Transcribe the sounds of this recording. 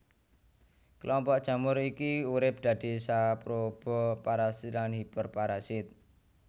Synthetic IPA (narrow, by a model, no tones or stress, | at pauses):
kəlɔmpɔʔd̥ʒ̥a̤mʊɾikiuɾɪp̚d̪̥ä̤d̪̥i̤sapɾob̥ɔ̤paɾasɪt̪lanhib̥ərpaɾasɪt̪̚